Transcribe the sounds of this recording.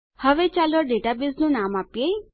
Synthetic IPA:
həʋet͡ʃalɔɖeʈabiznũnamapje

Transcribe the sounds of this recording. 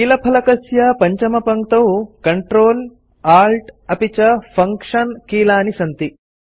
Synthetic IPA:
kiːlɐpʰɐlɐkɐsjapɐɲt͡ʃɐmɐpɐŋk̚t̪oːkɐɳʈɾoːl | aːlʈɐpit͡ʃɐpʰɐŋkʂɐnkiːlaːnisɐnt̪i

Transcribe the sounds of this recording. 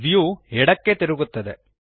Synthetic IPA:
d̪ijuɛɽɐkːet̪iɾuɡut̪ːɐd̪e̞̰

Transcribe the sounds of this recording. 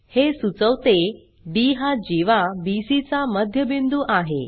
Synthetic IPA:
hesut͡səʋt̪e | ɖiɦad͡ʑiʋabisit͡saməd̪ʱjəbind̪uːʔaɦe

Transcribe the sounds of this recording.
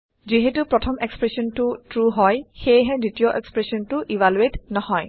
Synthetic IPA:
ziɦɛtupɹɔtʰɔmekspɹesɔntʊtɹuɦɔjxejɦɛditiɔʔekspɹesɔntʊʔibaluetnɔhɔj

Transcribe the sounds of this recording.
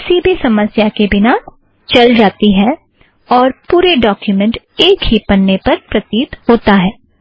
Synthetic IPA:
sibʱisɐməsjakebɪna | t͡ʃɐld͡ʒaːt̪iɦɛː | ɔːɾpuːɾeɖɔːkjumə̃ɳʈ | eːkɦipɐnːepɐɾpɾɐt̪iːt̪hoːt̪aɦɛː

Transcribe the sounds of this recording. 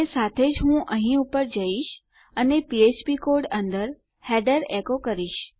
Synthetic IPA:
esat̪ʰed͡ʒɦũʔəɦĩupəɾd͡ʒəiʃ | ənepiet͡ʃpikoɾɖənd̪əɾ | hɛɖəɾekokəɾiʃ

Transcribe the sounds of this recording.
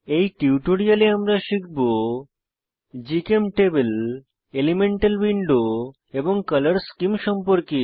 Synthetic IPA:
ejʈiuʈoɽijaleamɾaʃikʰbo | d͡ʑikemʈebel | elimeɳʈalwiɳɖo | eboŋkʌləɾskimʃɔmpoɾki

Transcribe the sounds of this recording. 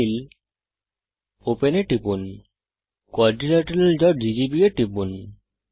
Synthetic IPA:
il | openeʈipun | koaɾɖilaʈɾeld͡ʑɔɖid͡ʑibieʈipun

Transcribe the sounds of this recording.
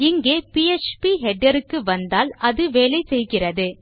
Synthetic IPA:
ɪŋɡeːpiɛt͡ʃpiɦɛɖɐɾɯkːɯʋɐnd̪aːlɐðɯʋeːlɐɪsɛjɣɪrɐðɯ

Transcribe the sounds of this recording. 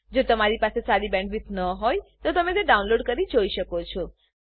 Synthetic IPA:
d͡ʒot̪əmaɾipasesaɾibɛ̃ɳɖʋit̪nəɦojt̪ot̪əmet̪eɖaunloɖkəɾid͡ʒoiʃəkot͡ʃʰɔ

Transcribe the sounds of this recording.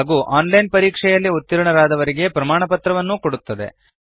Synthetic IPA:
ɡuːʔaːnlɐjnpɐɾiːkʂɛjɐlːiut̪ːiɾɳɐɾaːd̪ɐʋɐɾiɡe̞pɾɐmaːɳɐpɐt̪ɾɐʋɐnːukoɽut̪ːɐd̪e̞̰

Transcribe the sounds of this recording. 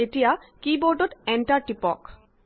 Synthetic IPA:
etijakiboɹɖɔtɛnʈaɹʈipɔk

